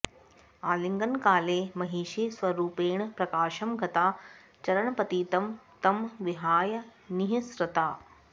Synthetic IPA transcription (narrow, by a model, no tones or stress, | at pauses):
aːliŋɡɐnkaːleːmɐɦiːʃiːsʋɐɾuːpeːɳpɾɐkaːʃɐmɡʱɐt̪aː | t͡ʃɐɾɐɳɐpɐt̪iːt̪ɐmt̪ɐmʋiɦaːjɐniɦisɾɐt̪aː